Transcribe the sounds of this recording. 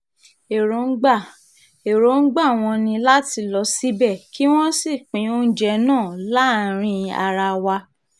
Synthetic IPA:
e˨ɾo˨˦n̩˦ɡ͡ba˦˨ | e˨ɾo˨˦n̩˦ɡ͡ba˦˨w̃ɔ̃˧nĩ˧la˦ti˧lɔ˧˦si˦bɛ˦˨ki˦w̃ɔ̃˦si˦˨k͡pĩ˨˦o˦n̩˦d͡ʒɛ˧˦nãː˦˨la˦˨ɾ̃ĩ˧a̰˧ɾa˧wa˧

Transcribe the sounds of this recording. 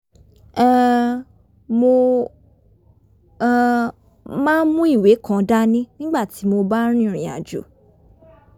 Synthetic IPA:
ɛ̃˦˧ | mo˧˨ | mãː˦mũ˦i˦˨we˨˦kã˨˧da˦nĩ˦nĩ˦ɡ͡ba˦˨ti˨˦mo˧ba˦ɾ̃ĩ˦˨ɾĩ˨a̰˨d͡ʒo̰˨˦

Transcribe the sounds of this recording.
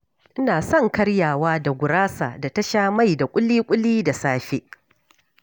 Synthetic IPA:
ʔɪ˦naː˨sɔ˦˨ŋkɐ˦ɽjaː˨waː˦da˨ɡʷʊ˨ɾaː˦sa̰ː˨da˨tɐ˦ʃaː˦ma˦˨jda˨kʷʼʊ˦liː˦kʷʼʊ˦liː˦da˨saː˦ɸe˦ʔ

